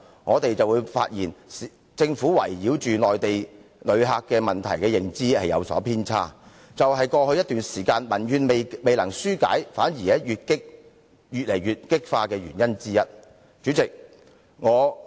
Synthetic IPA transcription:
ŋɔː˨˧t̪e˨jt͡sɐ˨wu˨˧jfa̰ː˧t̚jiː˨˩n˨ | t͡sɪ˧ŋfuː˨˥wɐ̰˨˩jjiː˨˥wt͡ʃyː˨lɔː˨jt̪e˨jlɵ˨˧ɥɦaː˧kːɛː˧mɐ˨˩nt̪ʰɐ̰˨˩jkɛː˧jɪ˨ŋt͡siː˥hɐ˨jɐ̰˨˧wsɔ̰ː˨˥pʰiː˥nt͡sʰaː˥ | t͡sɐ˨whɐ˨jkɔː˧hɵ˧jɐ˥t̪yː˨nsiː˨˩kaː˧nmɐ˨˩njyː˨˧nme˨me˨jlɐ˨˩ŋsyː˥ka̰ː˨˥jfaː˨˥njiː˨˩ɛ˥jyː˨t̚kɪ˥k̚ | jyː˨t̚lɐ˨˩jɥyː˨t̚kɪ˥k̚faː˧kɛː˧ɥy̰ː˨˩njɐ˥nt͡siː˥jɐ˥t̚ | t͡ʃyː˨˥t͡sɪ˨k̚ | ŋɔː˨˧

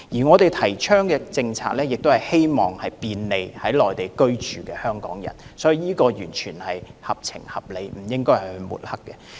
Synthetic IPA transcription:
jiː˨˩ŋɔː˨˧t̪e˨jt̪ʰɐ˨˩jt͡ʃʰœː˥ŋkɛː˧t͡sɪ˧ŋt͡sʰa̰ː˨k̚lɛː˥jɪ˨k̚t̪o˥whɐ˨˩jhe˥jmɔː˨ŋhɐ˨jpiː˧nle˨˧jhɐ˨˥jlɔː˨˩jt̪e˨jkɵ˥ɥt͡ʃyː˨˩kɛː˧hœː˥ŋkɔ̰ː˨˥ŋjɐ̰˨˩nsɔː˨˥ji˨˧jiː˥kɔː˧jyː˨˩nt͡ʃʰyː˨˩nhɐ˨jhɐ˨p̚t͡sʰɪ̰˨˩ŋhɐ˨p̚le˨˧jm̩˨˩jɪ˥ŋkɔː˥hɐ˨˩hɵ˧ɥmṵ˨t̚hɐ˥kːɛ˧

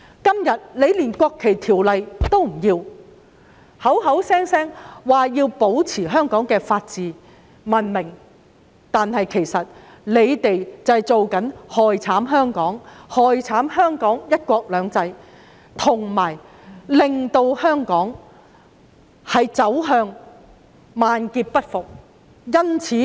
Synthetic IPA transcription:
kɐ˥mjɐ˨t̚le˨˧jliː˨˩nkʷɔː˧kʰːe˨˩jt̪ʰiː˨˩wlɐ˨jt̪o˥wm̩˨˩jiː˧w | hɐ˨˥wɦɐ˨˥wsɛː˥ŋsɛː˥ŋwaː˨˩jiː˧wpo˨˥wt͡sʰiː˨˩ɦœː˥ŋkɔː˨˥ŋkɛː˧faː˧t̚t͡siː˨˧ | mɐ˨nmɪ˨˩ŋ | t̪aː˨nhɐ˨jkʰe˨˩jsɐ˨t̚ | le˨˧jt̪e˨jt͡sɐ˨jt͡so˨wkɐ˨˥nhɔː˨jt͡sʰaː˨˥mɦœː˥ŋkɔː˨˥ŋhɔː˨jt͡sʰaː˨˥mɦœː˥ŋkɔː˨˥ŋjɐ˥t̚kʷɔː˧k̚lœː˨˧ŋt͡sɐ˧j | t̪ʰʊ˨˩ŋmaː˨˩j | lɪ˨ŋt̪o˧whœː˥ŋkɔː˨˥ŋ | hɐ˨jt͡sɐ˨˥wɦœː˧ŋ | maː˨nkiː˧p̚pɐ˥t̚fʊ˨k̚ | jɐ˥nt͡sʰiː˨˥

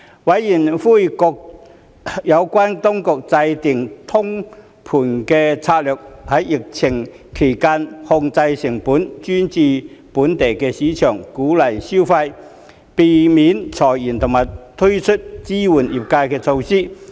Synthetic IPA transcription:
wɐ˨˥jːiː˨˩nfuː˥˩jkɔ˧k̚ | jɐ˨˧wkwaː˥nt̪ʊ˥ŋkʊ˨˧k̚t͡sɐ˧jt̪ɪ˨˩ŋt̪ʰʊ˥ŋ | pʰuː˨˩nkɛː˧t͡sʰaː˧t̚lœː˨k̚hɐ˨˥jːɪ˨k̚t͡sʰɪ˨˩ŋ | kʰe˨˩jkaː˥nhʊ˧ŋt͡sɐ˧jsɪ˨˩ŋpuː˨˥nt͡ʃy˥nt͡siː˨˧puː˨˥nt̪e˨˩jkɛː˧siː˨˥t͡ʃʰœː˨˩ŋkuː˨˥lɐ˨˩jsi˥wfɐ˧j | pe˨˧miː˨˥nt͡sʰɔː˨˩jiː˨˩nt̪ʰʊ˨˩ŋmaː˨˩jt̪ʰɵ˥t͡ʃʰɵ˥t̚t͡siː˥wuː˨˩njiː˨˩p̚kaː˧jkɛː˧t͡sʰo˧wsiː˥

